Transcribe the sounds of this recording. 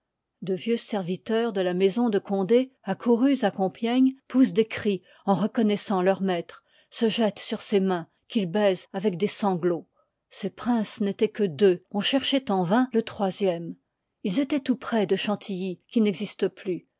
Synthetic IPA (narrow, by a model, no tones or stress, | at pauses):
d̪əvjøsɛʁvit̪œʁd̪əlamɛzɔ̃d̪əkɔ̃d̪eakʰuʁyzakɔ̃pjɛɲpus̬d̪ekχi | ɑ̃ʁəkɔnɛsɑ̃lœʁmɛt̪χ | səʒɛt̪syʁsemɛ̃ | kʲilbɛzavɛk̚d̪esɑ̃ɡlo | sepχɛ̃snet̪ɛkəd̪øɔ̃ʃɛʁʃɛt̪ɑ̃vɛ̃lət̪χwazjɛm | ilzet̪ɛt̪upχɛd̪əʃɑ̃t̪ʰijikʲinɛɡzist̪əply